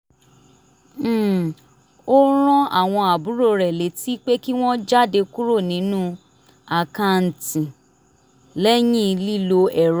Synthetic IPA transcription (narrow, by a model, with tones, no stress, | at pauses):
o˦ɾ̃ɔ̃˦a̰˦˨w̃ɔ̃˧a˨bu˨˦ɾo˦˨ɾɛ˨le˨˦ti˦k͡pe˦ki˦w̃ɔ̃˦d͡ʒa˦˨de˧ku˦ɾo˦˨nĩ˨˦nũ˦ | a˨kã˧n̩˨tĩ˨ | lɛ˦j̃ĩ˦˧li˦˨lo˧ɛ˨ɾ